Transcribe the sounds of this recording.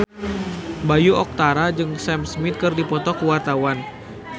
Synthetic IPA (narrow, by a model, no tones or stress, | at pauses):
bajuɔk̚t̪aɾad͡ʒɨŋsɛmsmit̪̚kɨrdipɔt̪ɔkəwart̪awan